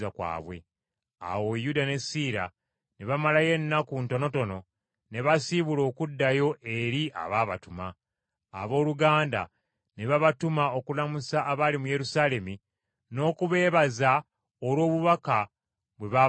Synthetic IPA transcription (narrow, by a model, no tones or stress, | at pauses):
akwa̰ːβwe̞̰ | a̰wo̞judane̞siɾa | neβamalaje̞nːakunto̞no̞to̞no̞ | ne̞βasiβulo̞ːkudːajo̞ʔe̞ɾiʔa̰βaːβa̰tuma̰ː | βo̞ːluɡaːnda̰ | neβaβatumao̞kulamusaʔːβalimuje̞ɾusaːle̞mi | no̞ːkuβe̞ːβaza | olwo̞ːβuβaka | βwe̞βa